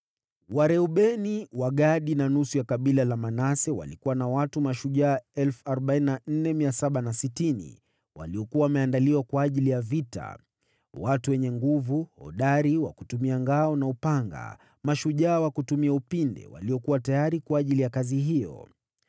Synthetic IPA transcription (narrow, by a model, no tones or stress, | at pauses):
waɾɛuɓɛniwaɠaɗinanusujakaɓilalamanasɛwa̰likuwanawatumaʃuʄaːɛlfuaɾɔɓaininan̩nɛmiasaɓanasitinḭ | wa̰liɔkuawamɛandaliwakwaːʄilijavita̰ | watuwɛɲɛŋɡuvuhɔ̰ɗaɾiwa̰kutumiaŋɡaɔnaupaŋɡa̰ | maʃuʄaːwakutumiaupindɛ̰wa̰liɔkuwatajaɾikwaːʄilijakaziɦijɔ̰